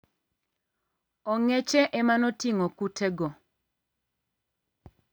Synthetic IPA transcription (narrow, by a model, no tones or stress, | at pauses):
ɔŋet͡ʃeʔemanɔtiŋɔkutʰɛɡɔ